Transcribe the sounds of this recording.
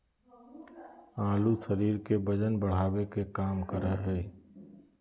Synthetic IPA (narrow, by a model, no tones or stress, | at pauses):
ãːlusəɾiːɾkebəd͡ʒənbəɽ̤aːwekekaːmkəɾəɦɦɛː